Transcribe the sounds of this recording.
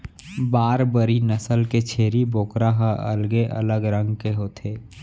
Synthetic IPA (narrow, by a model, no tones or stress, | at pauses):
baːɾbəɾinəsəlket͡ʃʰeːɾiboːkɾaɦaə̰lɡeʔɐ̰ləɡɾə̃ŋɡkeɦoːt̪ʰeː